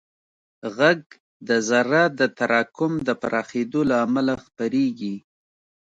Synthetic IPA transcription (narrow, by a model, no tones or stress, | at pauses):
ɣaɡ̚ | d̪əzaɾad̪ət̪aɾɑkʊmd̪əpaɾʔɑxed̪olaːmalaxpəɾeɡi